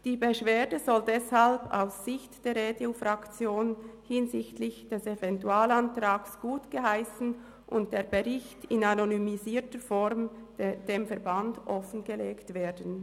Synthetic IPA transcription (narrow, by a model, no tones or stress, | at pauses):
d̥iːbeʃv̥eːdəzɔldɛshalba̰ʊsːɪçtd̥eːɾeːdeofʁakt͡sjoːnhɪnzɪçtlɪçd̥ɛsevɛntuaːlantʁaːksɡ̥uːtɡ̥əɦaɪsn̩ | ʔʊntd̥eːɐbeʁɪçtɪnanonymiziːtəfɔɾmd̥eːmfɛɐbandʔɔfən̩ɡəleːktv̥eːdn̩